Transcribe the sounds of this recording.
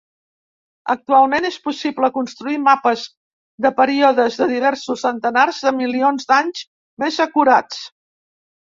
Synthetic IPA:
ək̚t̪ualˠmenespusibləkunst̪ɾuimapəz | ðəpəɾiɔðəzðəðiβ̞ɛɾsusːənt̪ənarzðəmilionzd̪aɲz | mezəkuɾat͡s

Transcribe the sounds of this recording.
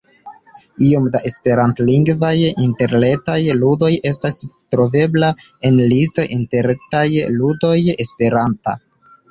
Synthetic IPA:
io̞mdaʔe̞spe̞ɾantliŋɡvajinte̞ɾne̞tajludo̞je̞stastɾo̞ve̞bla | e̞nlisto̞ʔinteɾtajludo̞je̞spe̞ɾanta̰

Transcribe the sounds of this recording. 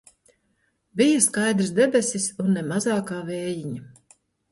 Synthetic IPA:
bijaskajd̪ɾɨsd̪ɛbʲɛsisunːɛmazaːkaːvɛːjiɲa

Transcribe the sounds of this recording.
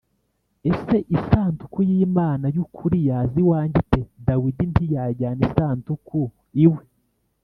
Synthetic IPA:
e̞se̞ʔisaːntu̥kujiːmaːnajukʰuɾijaːziwaːɲɟitedawidintijaɟaːnisaːntuku | iwe

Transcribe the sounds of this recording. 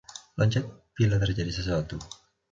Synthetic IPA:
laɲt͡ʃat̪̚bilat̪ərd͡ʒadisəs̬uat̪u

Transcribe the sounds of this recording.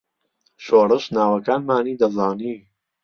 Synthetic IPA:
ʃoːrɨʃnaːwɐkaːnmaːniːd̪ɐzaːniː

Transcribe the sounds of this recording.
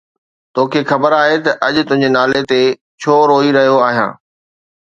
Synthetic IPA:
t̪oːkʰeːxɐbəɾaːɦet̪ɐʔɐʄʊt̪ʊ̃ɦɪ̃ɲd͡ʑenaːlet̪e | t͡ɕʰoːɾoːiɾɐɦijoaːɦijã̰ː

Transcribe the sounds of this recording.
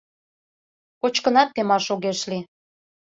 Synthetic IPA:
kot͡ɕkə̆nɑt̪̚ːemɑʃoɣeʃli

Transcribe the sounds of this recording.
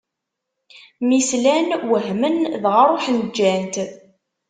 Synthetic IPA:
mislænwəɦmənðʁəɾˤoħnd͡ʒːænt̪

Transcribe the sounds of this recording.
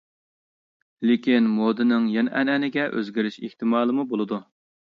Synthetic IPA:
lekʲinmod̪ɨnɪŋjɛnʔɛnɛnɪɡʲɛʔø̰zɡʲɪɾyʃḭht̪ɨmɑːlˠɨmubolˠɨd̪u

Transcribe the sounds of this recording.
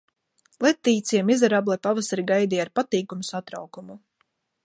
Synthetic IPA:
lˠɛt̪ːiːt̪siɛmizaɾablˠajpavasaɾiɡajd̪iːaɾpat̪iːkumusat̪ɾa̰wkumu

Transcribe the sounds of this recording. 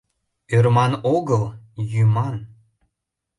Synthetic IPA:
ørmɑnoɣəlˠjymɑn

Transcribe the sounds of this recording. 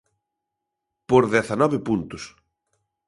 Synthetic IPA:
poɾðɛθanɔβɪpunt̪ʊs

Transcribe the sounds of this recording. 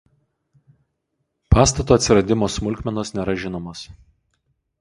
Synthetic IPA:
pɑːst̪ɐt̪uːɐt̪ʲsʲɪɾɐd̪ʲɪmoːsmʊlʲˑkʲmʲɛnoːsnʲɛːɾɐʒʲɪnoːmoːs

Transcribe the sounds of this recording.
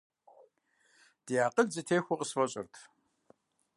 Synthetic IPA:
d̥ijaːqəɮzɨtʰeːxʷʊqəsfɐɕʼɪ̰rtʰ

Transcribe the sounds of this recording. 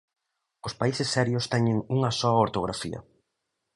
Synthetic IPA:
ʊspaisɪsːɛɾjʊst̪ɛɲɪŋuŋɐsɔɐoɾt̪oɣɾafiɐ̰

